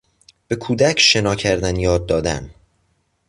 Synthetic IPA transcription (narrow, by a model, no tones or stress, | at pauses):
b̥e̞kʰuːd̪æcʰʃe̞nɒːcʰæɾd̪ænjɒːd̪̚ːɒːd̪æ̰m